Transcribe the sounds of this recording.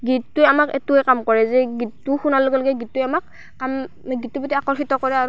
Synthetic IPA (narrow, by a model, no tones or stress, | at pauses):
ɡitːuamakɛ̰tuɛkamkɔɹɛzɛɡitːuxunaloɡɛloɡɛɡitːʊamak̚ː | am | ɡitːubɔtiakɔɹxitɔkɔɹɛaɹ